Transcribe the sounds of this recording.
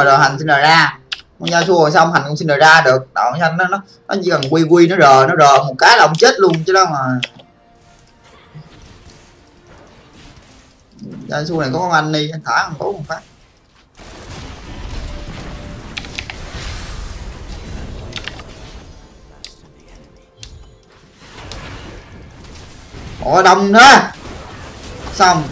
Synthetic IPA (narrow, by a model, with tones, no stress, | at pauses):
zoː˨˩ɦa˨˩ŋ̟si˧nzə̰ː˨˩zaː˧kɔ˨˩zaː˧su˧əhɔ˨˩jsa˧wŋ͡mhɦa˨˩ŋkŋ͡msi˧nzəː˨˩zaː˧ɗɨ˨˩ək̚ɗa̰ː˧˨˩a˧ŋːɔ˨˦nɔ˨˦ | nɔ˨˦t͡ɕi˧˥ka˨˩ŋkwi˧kwi˧nɔ˨˦zəː˨˩nɔ˨˦zəː˨˩mo˨˩t̚kaː˨˦jlaː˨˩ʔŋ͡mt͡ɕe˦˥t̚lu˧ənt͡ɕɨ˨˦ɗɔ˨˧˦wŋ͡mə˨˩˨ | zaː˧su˧na˨˩kɔ˨˦kɔ˧˦ŋʔa˧nɗi˧a˧nt̪ʰaː˧˨˩hwk̪o˨˦ko˨˧˩ŋ͡mfaː˦˥k̚ | ʔɔ̰˨˩ɗə˧˨wŋ͡mnəː˨˦ | sa˧wŋ͡m